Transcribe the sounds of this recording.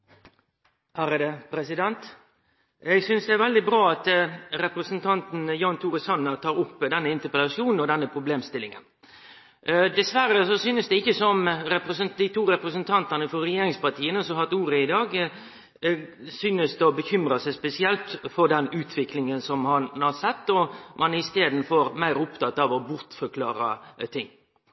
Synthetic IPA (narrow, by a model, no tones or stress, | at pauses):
hæɾəd̪ɛpʰɾɛsɪd̪ɛnt̪ | ɛɡsʏnsd̪ɛæɾʋɛld̪ɪbɾɑːɑt̪ɾɛpɾəsənt̪ʰɑnt̪n̩jɑnt̪ʰuːɾəsɑnːət̪ʰɑːɾʊpːd̪ɛnːəɪnt̪əpəlɑʂjuːnn̩ɔd̪ɛnːəpʰɾʊbleːmst̪ɪlɪŋə̰n | d̪ɛsʋæɾːəsɔsyːnəsd̪ɛɪçəsɔmɾɛpɾɛsənd̪ɪt̪ʰuːɾɛpɾəsənt̪ʰɑnt̪ɑnəfɔɾɛjeːɾɪŋspɑt̪ʰiːənəsɔhɑt̪uːɾəɪd̪ɑːɡ | syːnəsd̪ɛɔbəçʏmɾɑsɛɪspɛsɪɛlt̪fɔɾd̪ɛnʉːt̪ʰʋɪklɪŋənsɔmhɑnhɑɾsɛt̪ːɔmʔɑnɪst̪eːd̪n̩foːɾmæɪɾʊpt̪ʰɑt̪ːɑʋɔbʊɾt̪fɔɾkʰlɑːɾɑ̰t̪ʰɪŋː